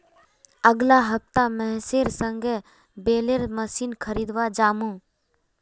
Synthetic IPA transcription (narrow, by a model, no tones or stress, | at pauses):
əɡlaɦəp̚t̪amɛ̃ːseɾsə̃ŋɡʱe | beːleɾməsiːnkʰəɾiːd̪ʋad͡ʒaːmũː